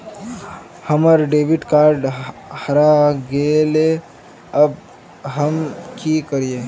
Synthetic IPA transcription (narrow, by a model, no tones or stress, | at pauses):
həməɾɖeːʋɪʈkaːɾɖhɐɾaɡeːle | əb̚ | ɦəmkikəɾieː